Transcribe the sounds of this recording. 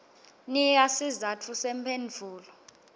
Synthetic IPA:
nijasizatʰusɛmpʰend͡ɮʱuːlɔ

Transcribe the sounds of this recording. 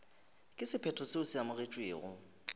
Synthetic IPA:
kʼɪsɪpʰɛtʰɔseʊsɪamʊɣet͡ʃʼweːɣʊ̰

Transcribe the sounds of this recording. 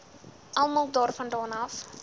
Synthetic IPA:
ɐlˠmɑlˠdɑːrfɐndɑːnɐf

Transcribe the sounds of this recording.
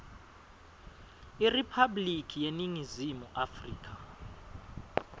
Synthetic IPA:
iripʰablikʰijeniŋizimuʔafriːk̬ʼʰa

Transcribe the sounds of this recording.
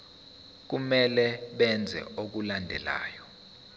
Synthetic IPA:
k̬umɛlɛɓɛnd͡zʱɛ̰ok̬ulandʱɛ̰la̰ːjɔ

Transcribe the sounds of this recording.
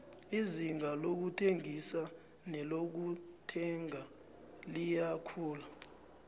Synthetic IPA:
iziŋalok̬utʰeŋisa | nɛlok̬utʰɛŋa | lijakʰuːla

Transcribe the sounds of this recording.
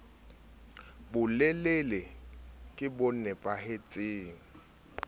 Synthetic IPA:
bʊlelelekʼɪbon̩nɛpʼahet͡sʼɪːŋ̩

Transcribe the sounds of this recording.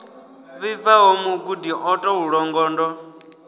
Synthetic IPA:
βivaɦomuɡudiʔɔtʼɔuɺɔŋɡɔːndɔ

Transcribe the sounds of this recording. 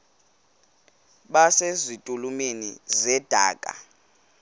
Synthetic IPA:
ɓasezitʼulumenḭzɛd̥ʱa̰ːkʼa̰

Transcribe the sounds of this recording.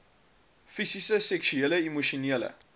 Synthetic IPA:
fisisəsɛkʃyeləimuʃiniələ̰

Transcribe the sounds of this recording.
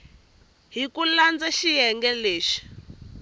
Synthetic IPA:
ɦikuland͡zaʃijɛŋɡɛleːʃi̥

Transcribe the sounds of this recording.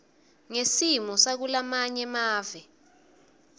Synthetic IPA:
ŋesimɔsak̬ulamaɲɛmaːvɛ

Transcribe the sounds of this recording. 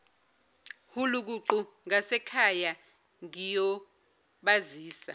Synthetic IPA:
huluk̬uǃuŋasɛkʰaja | ŋijɔ | ɓaziːsa̰

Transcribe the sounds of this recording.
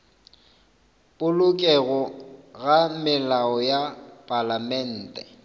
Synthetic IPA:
pʼʊlʊkʼɛɣɔɣamɪlaɔjapʼalamɛn̩ːtʼɛ

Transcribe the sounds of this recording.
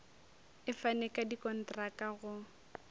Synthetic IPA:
ɪfanɛkʼadikʼɔn̩trakʼaɣʊ

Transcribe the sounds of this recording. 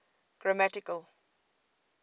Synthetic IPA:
ɡ̥ɹamætɪkəl

